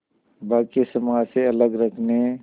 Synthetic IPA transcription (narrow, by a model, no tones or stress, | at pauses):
baːkisəmaseɐləɡɾəkʰne